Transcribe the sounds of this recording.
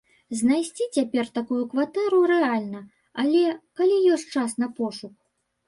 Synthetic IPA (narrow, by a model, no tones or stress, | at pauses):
znajsʲt͡sʲit͡sʲapʲɛrt̪akujukvat̪ɛɾuɾɛalʲnɐ | alʲɛkalʲijɔsʲt͡ʂasnɐpɔʂuk